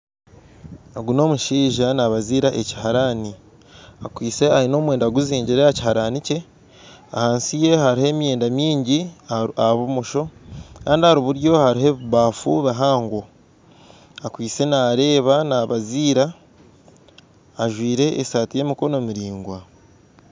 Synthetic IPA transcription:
aɡuno̞ːmuʃiːʒanaβaziːɾaʔe̞ci̥haɾani | akwiːt͡se̞aɾino̞ːmwe̞ːndaɡuziːɲɟiɾejaci̥haɾanice̞ | ahaːnsije̞haɾihe̞ːmje̞ːndamiːɲɟiaβumuʃo̞kaːndihaɾiβuɾjo̞haɾiɦe̞βuβaːfuβaɦaːŋɡo | akwiːt͡se̞naɾe̞ːβanaːβaziːɾa | ʒwiːɾe̞ːsaːtije̞ːmiko̞no̞miɾiːŋɡwa

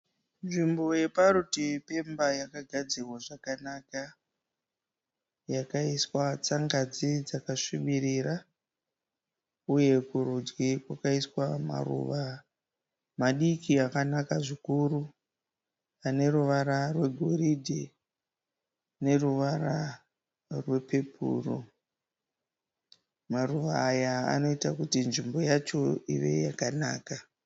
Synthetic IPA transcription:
nʐimbo̞je̞paɾutipe̞mbajakaɡʱad͡zirwaʐakanaka | jakaiswat͡saŋɡad͡zid͡zakaʂiɓiɾira | uje̞kuɾud͡ʒwikwakaiswama̰rṵʋa | maɗikʰiakanakaʐikuru | ane̞ɾuʋaɾarwe̞ɡʱo̞ɾidʱe | ne̞ruʋaɾa | rwe̞pe̞pṵːro | maruʋaːjaa̰no̞itakutinʐimbo̞jat͡ʃo̞iʋe̞̰jakanaːka

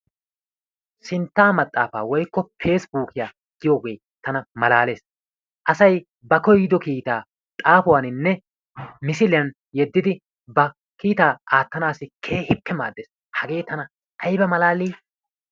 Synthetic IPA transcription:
sɪnt̪ːaːmɐt̪ʼːaːfaːwɔjkːɔfʰe̞ːsbuːkɪjaː | ɡɪjɔɡeːj | t̪ɐnɐmɐlaːle̞ːs | ʔɐsɐj | bɐkɔjɪd̪ɔkiːt̪aː | t̪ʼaːfʊwaːnɪnːɛ | mɪsɪlɪjɐn | jɛd̪ːɪd̪ɪ | bɐ | kiːt̪aːaːt̪ːɐnaːsɪkʰe̞ːhɪpːɛma̰ːd̪ːeːs | hɐɡe̞ːt̪ɐnɐ | ʔɐjbɐmɐlaːliː

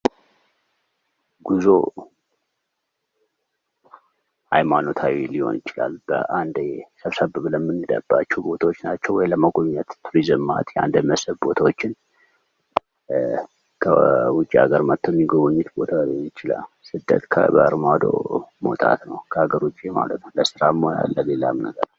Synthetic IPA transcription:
ɡuzo | hajmano̞t̪ʰawiliho̞̰njɪt͡ʃɪla̰lb̥əʔand̪səβsəbəβləmːɨnːɨd̪ə̰b̥ːat͡ʃːɛbo̞t̪ʰawot͡ʃːnat͡ʃːɛwɔjləməɡʷoɲːat̪t̪ʰuɾizəmːa̰t̪jɛa̰nd̪əməsəβbo̞t̪ʰawot͡ʃːɪn | kʰəwʊt͡ʃʼːiaɡəɾmət̪ʰːojmːiɡoβoɲːɪt̪bo̞t̪ʰawiɪt͡ʃɪla̰l | sɨd̪ːə̰t̪kʰə̰bəə̰ɾmad̪o̞̰mot̪ʼa̰t̪nəwkʰəhaɡəɾwut͡ʃʼːima̰lət̪nəwləsɨɾamːoja̰lːəlelamnəɡəɾ

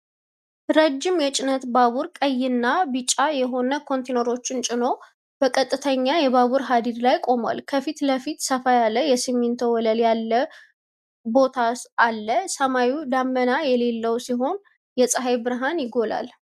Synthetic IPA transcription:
ɾəd͡ʒːɪmjɛt͡ʃʼɪnət̪baβuɾkʼəjːɪnːabɨt͡ʃʼːajɛɦo̞nəkʰo̞nt̪ʰenəɾo̞t͡ʃːɪnt͡ʃʼɪno̞ | b̥əkʼət̪ʼːɨt̪ʰəɲːajɛβaβuɾɦad̪id̪lajkʼo̞mwa̰lkʰəfit̪ləfit̪səfajalːəjɛsɨmːint̪ʰəwɔləljalːə | bo̞t̪ʰaʔalːəsəmawud̪amːənajɛle̞lːəwsiɦo̞n | jɛsʼəɦajbɨɾɦanjɪɡo̞la̰l

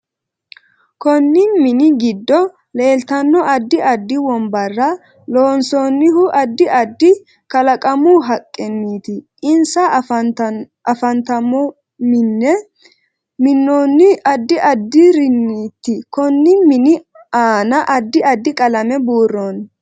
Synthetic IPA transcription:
kɔnːɪnmɪnɪɡɪd̪ːɔ | le̞ːlt̪ɐnːɔɐd̪ːɪʔɐd̪ːɪwɔmbɐrːɐ | loːnsoːnːɪhʊʔɐd̪ːɪʔɐd̪ːɪ | kɐlɐkʼɐmuɦɐkʼːɛnːiːt̪ɪʔɪnsɐ | ɐfɐnt̪ɐmɔ | mɪnːɛ | mɪnːoːnːɪɐd̪ːɪʔɐd̪ːɪɾɪnːiːt̪ːɪkɔnːɪmɪnɪ | aːnɐʔɐd̪ːɪɐd̪ːɪkʼɐlɐmɛbuːrːoːn

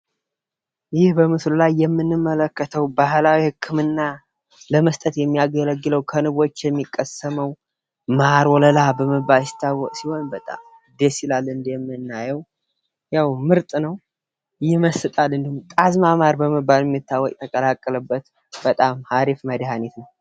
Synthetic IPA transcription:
jɪhbəmɨslulajːɛmːɨnːɨmːələkːət̪ʰəwbahlawihɨkʰːɨmɨnːa | ləməst̪ʼət̪jɛmːijaɡələɡːɨləwkʰənɨβo̞t͡ʃːjɛmːikʼːəsəməw | maɾwɔləlabəməbːajɪst̪ʰːawːɔkʼsiho̞nbət̪ʼa̰m | d̪esilalːɨnd̪jɛmːɨnnːajɛw | jawmɨɾt̪ʼnəw | jɪməsːɨt̪ʼalːɨnd̪ihumk̪ʼazmamaɾbəməbːaljɛmːit̪ːawːɔkʼt̪ʰəkʼəlakʼːələbːət̪ | b̥ət̪ʼamhaɾifməd̪ihanet̪nəw

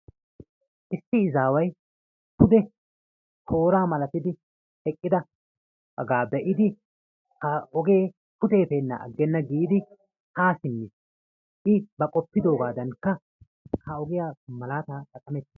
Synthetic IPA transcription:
ʔɪsːɪːzaːwɐj | pʰʊd̪ɛ | hʰo̞ːɾaːmɐlɐt̪ɪd̪ɪ | ɛkʼːɪd̪ɐ | ɐɡaːbɛʔɪd̪ɪ | hɐɔɡe̞ː | kʊt̪e̞ːpeːnːɐ̰ɐ̰ɡːɛnːɐɡiːd̪ɪ | haːsɪnːɪs | ʔɪbɐkʼɔpːɪd̪o̞ːɡaːd̪ɐŋkːɐ | hɐɔɡɪjaːmɐlaːt̪aːkʼɐkʼːɐmɛt̪ːɪ̥

